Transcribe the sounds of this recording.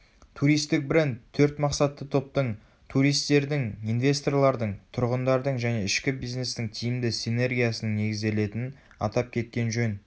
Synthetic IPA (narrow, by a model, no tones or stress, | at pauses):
t̪ʰuɾijst̪ɪk̚bɾe̞nt̪ʰːɵɾt̪mɑqsɑt̪ːət̪ʰo̞p̚t̪əɴ | t̪ʰuɾijst̪e̞ɾd̪ɪŋijnvʲe̞st̪o̞rlˠɑɾd̪əɴt̪ʰʊɾʁənd̪ɑɾd̪əɴʒæne̞ɪʃkʲɪbijzne̞st̪ɪŋt̪ʰijɪmd̪ɪsine̞rɡʲijasənəɴne̞ɡʲɪzd̪e̞le̞t̪ɪnɪn | ɑ̰t̪ɑp̚kʲʰe̞t̪̚kʲe̞nʒɵn